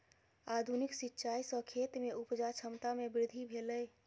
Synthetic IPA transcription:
ad̪ʱuniksitːʃajsəkʰet̪meupd͡ʒat͡ʃʰəmt̪amebɾɪd̪ʱibʱeləj

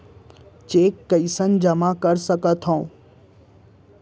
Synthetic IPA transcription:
t͡ɕeːkːɐisənd͡ʑɐmakɐɾsəkət̪ʰõː

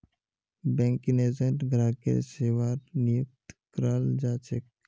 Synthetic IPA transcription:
bɛ̃ːŋkineːzəʈɡɾaːkḛɾseːʋaːɾnɪjʊk̚t̪kɾaːld͡ʒaːt͡ʃek̚

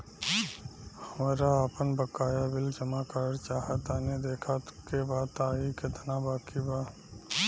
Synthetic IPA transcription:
həmaːɾaaːpənbəkaːjabɪld͡ʒəmakaːɾt͡ʃaːɦət̪aːned̪eːkʰakebaːt̪aːikɪt̪nabaːkibaː

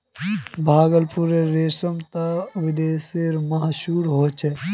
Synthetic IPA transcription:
bʱaːɡəlpuɾeɾesəmt̪aʋɪd̪eːseɾmaɦʃuːɽɦoːt͡ʃʰɛ

